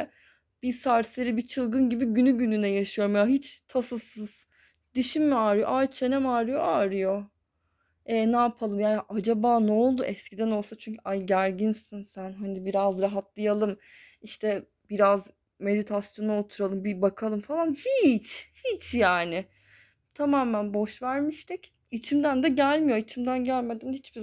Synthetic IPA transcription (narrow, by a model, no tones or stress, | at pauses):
b̥isaɾseɾibit͡ʃʰɯlˠɡɯnɟibiɟynyɟynynɛjaʃɯjo̞ɾumjaɦit͡ʃt̪ʰasɯsɯz̥ | d̪̥yʃimːiaːɾɯjo̞ʔajt͡ʃʰe̞nɛmaːɾɯjo̞̰ʔaːɾɯjo̞ | ɛːnaːpʰalˠɯmjaʔad͡ʒabaːnɛolˠd̪uʔɛscʰid̪æno̞lˠsat͡ʃʰyɲcʰyajɟæɾɟinsinsænɦanibiɾazɾaɦat̪lˠajalˠɯm | iʃt̪ʰɛ | biɾaz | me̞d̪it̪ʰasjo̞nuot̪ʰuɾalˠɯmbibakʰalˠɯmfalˠanhit͡ʃhit͡ʃʰjaːnɪ | t̪ʰamaːmænbo̞ʃvæɾmiʃt̪ʰic | it͡ʃʰimd̪ænd̪ɛɟælʲmijoit͡ʃʰimd̪ænɟælʲme̞d̪ænhit͡ʃbi